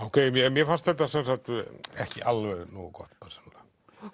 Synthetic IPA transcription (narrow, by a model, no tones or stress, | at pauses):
okeimieemiefɑst̪et̪ɑsːɑnsɑt̪ːuæhkḭɑlːønuːkoht̪pɑse̥lːɑn